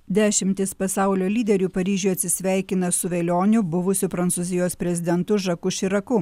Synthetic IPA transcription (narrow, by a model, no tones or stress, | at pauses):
d̪ʲæːʃʲɪmʲt̪ʲɪspɐsɑˑʊlʲoːlʲiːd̪ʲɛɾʲuːpɐɾʲiːʒʲʊjɐt̪ʲsʲɪsʲʋʲæˑɪkʲɪnɐsʊʋʲeːlʲoːnʲʊbʊʋʊsʲʊpɾɐnt̪suzʲɪjoːspʲɾʲɛzʲɪd̪ʲɛnt̪ʊʒɐkʊʃʲɪɾɐkʊ